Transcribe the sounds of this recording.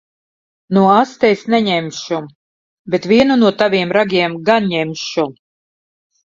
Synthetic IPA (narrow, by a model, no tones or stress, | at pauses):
nuɔast̪ɛjsnɛɲɛmʲʃum | bʲet̪vʲiɛnunuɔt̪avʲiɛmɾaɡʲiɛmɡanɲɛmʲʃu